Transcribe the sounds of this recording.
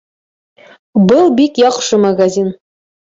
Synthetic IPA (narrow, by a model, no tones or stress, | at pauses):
bʊlˠbikjɑqʃəmaɡazʲin